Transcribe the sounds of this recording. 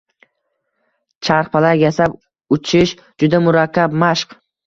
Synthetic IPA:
t͡ʃʰaɾχpʰalaɾjasap | ʊt͡ʃʰɪʃ | d͡ʒʊd̪amʊɾakʲʰːabmaʃq

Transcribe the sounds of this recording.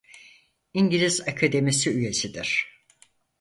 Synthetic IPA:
iɲɟilʲizakʰad̪e̞misiyje̞sid̪iɾ̥

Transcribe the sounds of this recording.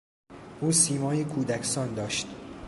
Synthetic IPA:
ʔuːsiːmɒːjekʰuːd̪ækʰsɒːnd̪ɒːʃt̪

